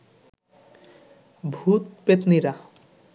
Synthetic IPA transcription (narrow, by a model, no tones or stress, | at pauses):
bʱut̪̚pet̪niɾa